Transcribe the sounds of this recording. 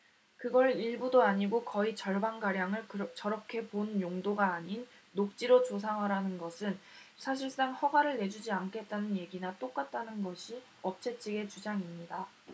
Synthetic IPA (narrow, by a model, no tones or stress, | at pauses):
kɯɡʌɾiɭbudoaɲiɡokʌit͡ɕʌɭbanɡaɾjaŋɯɭt͡ɕʌɾʌkʰe̞ponjoŋdoɡaːɲinː | ok̚t͡ɕ͈iɾot͡ɕosʰaŋɦaɾanɯnɡʌsʰɯnsʰaɕ̬ʰiɭs͈aŋhʌɡaɾɯɭne̞d͡ʑud͡ʑiankʰe̞t̚t͈anɯnje̞ɡinat͈ok͈at̚t͈anɯnɡʌɕʰi | ʌp̚t͡ɕ͈ʰe̞t͡ɕʰiɡe̞t͡ɕud͡ʑaŋimɲida